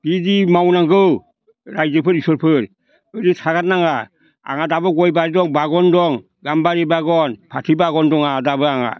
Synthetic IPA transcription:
b̥idimawnaŋɡɯw | ɾajd͡ʒɯpʰɯɾisɔɾpʰɯɾ | ɯɾitʰaɡat̚naŋa | a̰ŋadabɯɡɔjbaɾidɔŋbaɡɔndɔŋ | ɡambaɾibaɡɔnpʰatʰibaɡɔndɔŋadabɯaŋa̰

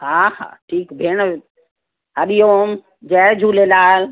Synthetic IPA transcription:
ɦaha̰ːʈʰiːkbʱeːɳ̃ | əɗijom | d͡ʒɛd͡ʒʱuːlelaːl

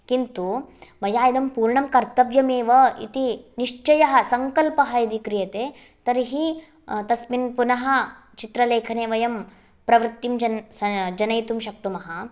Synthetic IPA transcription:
kint̪uʋɐjaːjid̪ɐmpuːɾɳɐmkɐɾt̪ɐʋjɐmeːʋɐḭt̪iniʂt͡ʃɐjɐɦɐ̆sɐŋkɐlpɐɦɐid̪ikɾijɐt̪eː | t̪ɐɾiɦi | t̪ɐsminpunɐɦɐ̆t͡ʃit̪ɾɐleːkʰɐneːʋɐjɐm | pɾɐʋɾɨt̪ːimd͡ʒɐd͡ʒɐnɐjt̪umʃɐk̚t̪umɐɦɐ

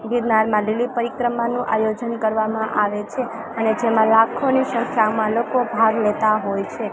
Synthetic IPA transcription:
ɡiɾnaɾmãlilipəɾikɾəmanũʔajod͡ʒənkəɾʋamãʔaʋet͡ʃʰe | əned͡ʒemãlakʰoniʃə̃ŋkʰjamãlokobʱaɡlet̪aɦojt͡ʃʰe

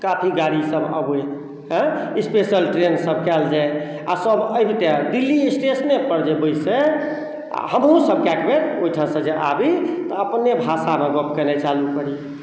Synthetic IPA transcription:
kapʰiɡaɾisəbə̰be | ɦə̃ispesəlʈɾensəb̚kɛld͡ʒaj | a̰səbəjbʱit̪ed̪ilːiisʈesnepəɾd͡ʒebəjsḛ | həmɦũsəb̚kakbetojʈʰãsə̃d͡ʒeʔa̰bit̪ɔəpnebʱasameɡopkənɛt͡ʃalukəɾi

